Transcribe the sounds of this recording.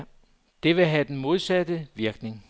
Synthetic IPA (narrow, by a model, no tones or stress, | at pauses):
d̥e̝ʋe̝ɦæd̥en̩mo̝ðˠsæd̥əʋiɐɡ̥ne̝ŋ